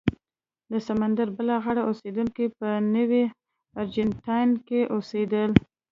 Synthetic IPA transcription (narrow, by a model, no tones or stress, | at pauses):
d̪əsamand̪aɾbəlaɣaɽaʔosed̪uŋkipənəwi | aɾd͡ʒanʈɑjnkeʔosed̪əl